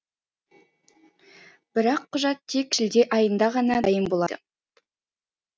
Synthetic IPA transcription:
b̥ɪɾɑqʰːʊʒɑt̪ʰːe̞kʒ̥ɪld̪e̞ʔɑjənd̪ɑʁɑnɑɑjənbo̞lˠɑd̪ə̰

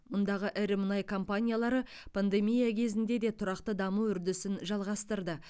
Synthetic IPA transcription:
mʊnd̪ɑʁəʔɪɾɪmʊnɑjkʰo̞mpanʲijalˠɑɾəpʰand̪e̞mijakʲʰe̞zɪnd̪e̞d̪e̞t̪ʰʊɾɑqt̪əd̪ɑmuʏɾd̪ɪsɪnʒɑlˠʁɑst̪əɾd̪ə

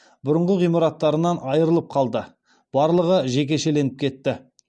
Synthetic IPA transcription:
bʊɾʊɴʁəʁijmɑɾɑt̪ːɑɾənɑnɑjəɾəlˠəp̚qʰɑlˠd̪ə | b̥ɑɾlˠəʁəʒe̞kʲe̞ʃe̞le̞nɪp̚kʲʰe̞t̪ːɪ

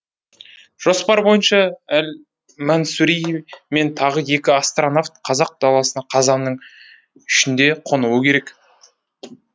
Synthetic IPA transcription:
ʒ̥o̞spɑɾbo̞jənʃɑæl | mɑnsuɾijme̞nt̪ʰɑʁəje̞kʲɪast̪ronaft̪qʰɑzɑq̚d̪̥ɑlˠɑsənɑqʰɑzɑnːəɴ | ʏʃɪnd̪e̞qʰo̞nuwəkʲʰe̞ɾe̞k

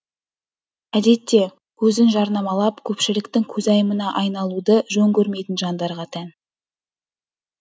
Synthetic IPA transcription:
æd̪e̞t̪ːe̞ | kʰɵzɪnʒɑɾnɑmɑlˠɑpkʲʰɵpʃɪlɪkt̪ɪŋkʲʰɵzɑjəmənɑʔɑjnɑlˠud̪əʒɵŋkʲʰɵɾme̞jt̪ɪnʒɑnd̪ɑɾʁɑt̪ʰæn

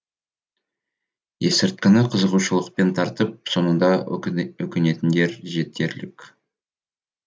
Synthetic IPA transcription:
je̞sɪɾt̪̚kʲɪnɪqʰəzəʁuʃəlˠəq̚pe̞nt̪ʰɑɾt̪əp̚so̞nənd̪ɑwɵkʲɪne̞t̪ɪnd̪e̞ɾʒe̞t̪̚ːe̞ɾlɪkʲ

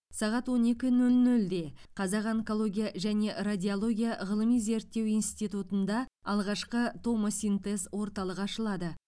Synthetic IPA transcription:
sɑʁɑt̪wo̞ne̞kʲɪnɵlnɵld̪e̞qʰɑzɑqeŋko̞lˠo̞ɡʲijaʒæne̞rad̪ʲiolˠo̞ɡʲijaʁəlˠəmijze̞ɾt̪ːe̞wijnst̪ijt̪ut̪ənd̪ɑ | ɑlˠʁɑʃqət̪ʰo̞mosʲint̪e̞zwo̞ɾt̪ɑlˠəqɑʃəlˠɑd̪ə

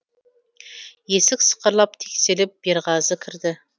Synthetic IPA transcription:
jesɪkʲsə̥qʰəɾlˠɑp̚t̪ʰe̥kʲselɪp̚b̥eɾʁɑzəkʲʰɪɾd̪ɪ

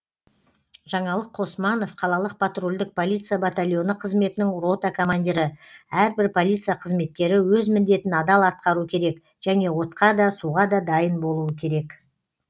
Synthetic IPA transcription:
ʒ̥ɑɴɑlˠəqʰo̞smɑno̞fqʰɑlˠɑlˠəq̚pʰat̪rulʲd̪ɪk̚pʰo̞lʲˠijt̪sɨjabat̪alʲjo̞nəqʰəzme̞t̪ɪnɪŋro̞t̪akʰo̞mand̪ʲiɾɪæɾbɪɾpʰo̞lʲijt̪sɨjaqʰəzme̞t̪̚kʲe̞ɾɪwɵzmɪnd̪e̞t̪ɪnɑd̪ɑlˠɑt̪̚qɑɾukʲʰe̞ɾe̞k | ʒ̥æne̞wo̞t̪qɑd̪ɑsuʁɑd̪ɑd̪ɑjənbo̞lˠuəkʲʰe̞ɾe̞k

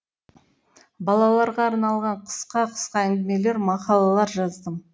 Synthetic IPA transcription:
bɑlˠɑlˠɑɾʁɑːɾnɑlˠʁɑɴqʰə̥sqɑqʰə̥sqɑæŋɡʲɪme̞le̞ɾmɑqɑlˠɑlˠɑɾʒɑzd̪əm

